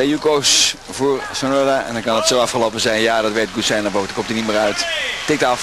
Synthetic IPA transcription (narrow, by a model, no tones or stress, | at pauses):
eukoːs | vuːərsonodaɛ̰ndɔnkɑndɔtsoːɑfχəlopəzɛjnjadɔtʋet̚ɡutsɛjnɔʋotkomtənimiːrœɥttɪk̚tɑf